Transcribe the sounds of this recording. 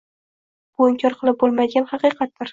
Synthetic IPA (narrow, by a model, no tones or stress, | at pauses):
b̥oɪŋkʲʰɒɾqʰɨlˠɪp̚bolˠmad̪ɪɡʲanhɑqɨjqʰɑt̪̚d̪ɪɾ